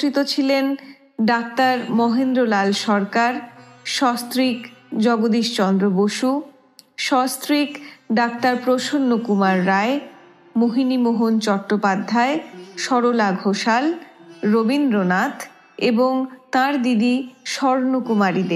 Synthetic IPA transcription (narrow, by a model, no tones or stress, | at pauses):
ɾit̪ot͡ɕʰilen | ɖak̚t̪aɾmɔɦend̪ɾolalʃɔɾkaɾʃɔst̪ɾikd͡ʑɔɡod̪iʃt͡ɕɔnd̪ɾoboʃu | ʃɔst̪ɾikɖak̚t̪aɾpɾoʃonːokumaɾːae | moɦinimoɦont͡ɕɔʈːopad̪ʱːaeʃɔɾolaɡʱoʃalɾobinɾonat̪ | eboŋt̪ãɾd̪id̪iʃɔɾnokumaɾid̪eɾ